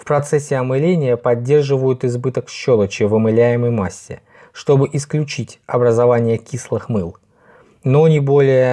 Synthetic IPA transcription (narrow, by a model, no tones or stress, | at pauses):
fpɾɐt̪sɛsʲːɪɐmɨlʲenʲɪjəpɐdʲːe̞rʐɨvəjʊt̪ɪzbɨt̪əkɕːolˠət͡ɕɪvəmɨlʲæjɪməjmasʲːɪ̰ | ʂt̪o̞bɨʔɪsklʲʉt͡ɕitʲɐbɾəzɐvanʲɪjəkʲislˠɨxmɨlˠ | nonʲɪbo̞lʲɪjə